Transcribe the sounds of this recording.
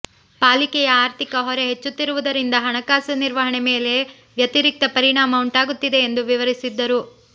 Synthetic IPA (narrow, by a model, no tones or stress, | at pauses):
paːlikɛjɐaːɾt̪ʰikɐɦɔɾeɦet͡ʃːut̪ːiɾuʋud̪ɐɾind̪ɐɦɐɳɐkaːsɐniɾʋɐɦɐɳeme̞ːle̞ | ʋjɐt̪iɾik̚t̪ɐpɐɾiɳaːmɐuɳʈaːɡut̪ːid̪e̞ːnd̪uʋiʋɐɾisid̪ːɐɾu